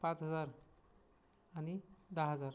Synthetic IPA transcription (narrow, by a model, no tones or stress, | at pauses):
pãt͡sɦəd͡zaɾ | anid̪aɦəd͡zaɾ